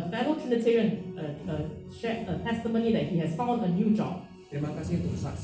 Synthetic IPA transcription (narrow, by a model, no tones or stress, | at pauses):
əfɛɾəɹəltʰɹinətʰɛɹiə̃nəəʃɛətʰɛstəmõnidɛt̚hihɛsfãʊ̃ndənjuːd͡ʒɔ̰b̥̚ | imakasĩt̪osa̰